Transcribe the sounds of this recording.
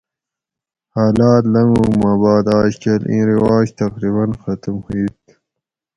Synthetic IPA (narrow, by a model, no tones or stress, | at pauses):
haːlaːt̪lɐŋɡumabaːd̪aːɕkelḭ̃ːɾiwaːʑt̪ɐqɾiβɐnxɐt̪umhuit̪